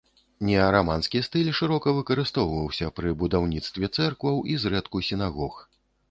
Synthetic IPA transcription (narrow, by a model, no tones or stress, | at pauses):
nʲɛɐɾamanskʲist̪ɨlʲʂɨɾɔkɐvɨkɐɾɨst̪ɔwvɐwsʲɐpɾɨbud̪awnʲit̪st̪vʲɛt̪sɛrkvɐwʔizɾɛt̪kusʲinaɣɔx